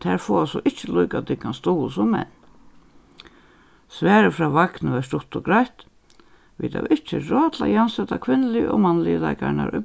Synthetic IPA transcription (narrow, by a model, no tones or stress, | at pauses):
t̪ʰɛːɹfɔːasɔʔɪht͡ʃːəlujkat̪ɪkːanst̪uːlsɔmmɛ̰n | sʋæːɾəfɾaːʋaknəʋɛst̪ʊt̪ɔɡɾajt̪ | ʋḭːt̪ʰa̰wɪt͡ʃːɪɹɔːt̪la̰jɪansɛt̪akʰʋɪnːlɪʔɔmanːlɪjəla̰jkaɾna̰ɾʔʊ̰